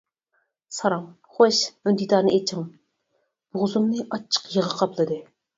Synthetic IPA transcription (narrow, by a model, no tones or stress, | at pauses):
sɑɾɑŋ | χoʃynd̪id̪ɑɾnɨʔet͡ʃʰɪŋ | b̥ʊʁzumnɨʔɑt͡ʃʰːə̥qjəʁəqʰɑplˠɨd̪ɨ